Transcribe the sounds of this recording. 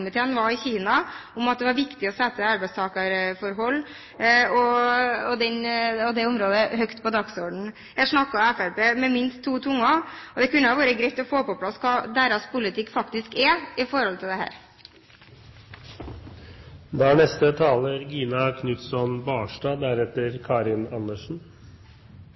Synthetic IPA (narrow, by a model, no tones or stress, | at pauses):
mɪt̪ʰeːnʋɑɪçiːnɑʊmɑt̪̚d̪ɛʋɑɾʋɪkt̪ɪɔsɛt̪ːəɑɾbɛɪst̪ʰɑːkəɾfɔɾɦɔlː | ɔɔd̪ɛnɔd̪ɛʊmɾoːd̪əhœkt̪pɔd̪ɑɡsɔɖɳ̩ | jæɪʂnɑkːɑɔɛfæɾpeːmɛmɪnst̪ʰːuːt̪ʰʊŋːɑɔd̪ɛkʉnːəɑʋoːɾəɡɾɛɪt̪ːɔfoːpɔpʰlɑsːkʰɑːd̪æɾɑspʊlɪt̪ʰɪkːfɑkt̪ɪskɛɪfɔɾɔlt̪ʰɪld̪ɛhæ̰ːɾ | d̪ɑæɳɛst̪ət̪ʰɑːləɾɡiːnɑkʰnʉt̪sɔnbɑːʂʈɑːd̪æɾɛt̪əɾkʰɑːɾɪnɑnːəʂn̩